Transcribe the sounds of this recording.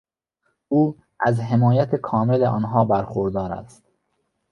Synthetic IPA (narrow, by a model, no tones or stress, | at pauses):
uː | ʔæzɦe̞mɒːjæt̪ʰekʰɒːmeleʔɒːnɦɒːbæɾxoɾd̪ɒːɾæ̰st̪̚